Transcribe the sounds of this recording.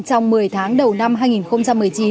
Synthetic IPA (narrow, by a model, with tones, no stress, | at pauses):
t͡ɕɔ˧wŋ͡mmɨ˨˩əjt̪ʰaː˨˦ŋɗə˨˩wna˧mɦaː˧jŋi˨˩nxə˧wŋ͡mt͡ɕa˧mːɨ˨˩əjt͡ɕi˨˦